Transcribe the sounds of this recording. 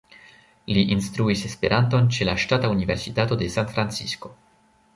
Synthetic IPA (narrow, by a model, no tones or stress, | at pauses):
liʔinstɾuise̞spe̞ɾʔanto̞nt͡ʃe̞laʃtataunive̞ɾsitato̞de̞santfɾant͡sisko̞